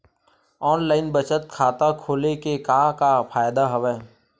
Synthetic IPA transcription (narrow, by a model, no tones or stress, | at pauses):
ɔːnlaːɪnbət͡ʃət̪̚kʰaːt̪akʰoːlekekaːkapʰaːjd̪aɦəʋɛː